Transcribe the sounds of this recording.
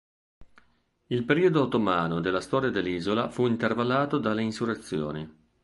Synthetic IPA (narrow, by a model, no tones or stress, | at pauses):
ilpeɾiːod̪oat̪ːomaːnod̪elːast̪ɔːɾjad̪elːiːzolafuint̪ervalːaːt̪od̪alːeinsuret̪sːjo̰ːni